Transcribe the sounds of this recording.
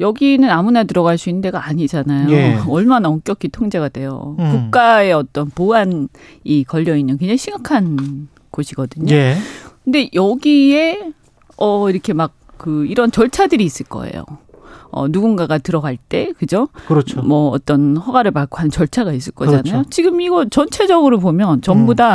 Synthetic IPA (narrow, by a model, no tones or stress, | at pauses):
jʌɡinɯnamunatɯɾʌɡaɭs͈uinːɯnde̞ɡaaɲid͡ʑanajoʌɭmanaʌŋk͈jʌkʰitʰoŋd͡ʑe̞ɡadwe̞jo̰kuk̚k͈ae̞ʌt͈ʌnpoan | ikʌʎːʌinːɯnkwe̞ŋɲd͡ʑaŋiɕʰiŋɡakʰan | koɕʰiɡʌdɯɲokɯnde̞jʌɡie̞ | ʌiɾʌkʰe̞mak̚ | k͈ɯiɾʌnt͡ɕʌɭt͡ɕʰadɯɾiːs͈ɯɭk͈ʌ̰ḛjo̰ʌ̰nuɡunɡaɡatɯɾʌɡaɭt͈e̞kɯd͡ʑokɯɾʌt͡ɕmʌːt͈ʌnɸʌɡaɾɯɭpak͈oɦanɯnt͡ɕʌɭt͡ɕʰaɡais͈ɯɭk͈ʌd͡ʑanajot͡ɕiɡɯmiɡʌt͡ɕʌnt͡ɕʰe̞d͡ʑʌɡɯɾopomjʌnt͡ɕʌmbuda